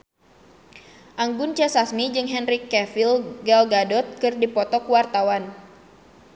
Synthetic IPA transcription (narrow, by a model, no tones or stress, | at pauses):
ʔaŋɡʊnt͡ʃɛsasmid͡ʒɨŋɦɛnrikɛfilɡɛlɡadɔt̪̚kɨrdipɔt̪ɔkuwart̪awan